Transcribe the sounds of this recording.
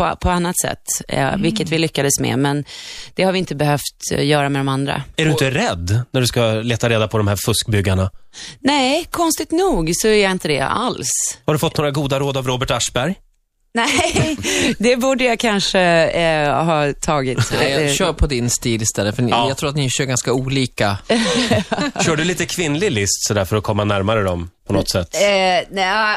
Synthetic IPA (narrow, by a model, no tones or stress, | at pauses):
pɔpʰɔanːat̪sɛ̰t̪ːvɪlkːət̪vɪlʏkːad̪əsmɛ̰mɛnd̪̥ɛhaɾvɪɪnt̪əbɛhœft̪jœːɾamɛd̪ɔmand̪ɾa̰æɖɵɪnt̪əɾɛd̪ːnæɖɵskaleːt̪aɾeːd̪apʰɔd̪ɔmhæɾfɵskbʏɡːaɳanɛɪkʰɔnst̪ɪt̪nuːɡsɔɛɾjaɪnt̪əd̪ɛ̰a̰lshaɖɵfɔt̪noːɾaɡuːd̪aɾoːd̪avɾoːbəʈaʂbæɾj | nɛ | d̪ɛbuːɖəjakʰanʂə | hɑːt̪ʰɑːɡɪt̪jɕœːɾpʰɔd̪ɪnst̪iːlɪst̪ʰɛlːəfœnjɑt̪ʰɾuːɾat̪nɪɕœːɾɡanskauːliːka | ɕœːɖɵliːt̪əkʰvɪnlɪlɪst̪sɔd̪æːɾfœɾɔkʰɔmːanæɾmaɾəd̪ɔmpʰɔnɔt̪ːsɛt̪ːnɛ